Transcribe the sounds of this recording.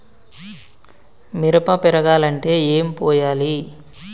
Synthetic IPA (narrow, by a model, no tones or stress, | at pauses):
miɾɐpɐpɛɾɐɡaːlɐɳʈe̞ːeːmipɔːjaːli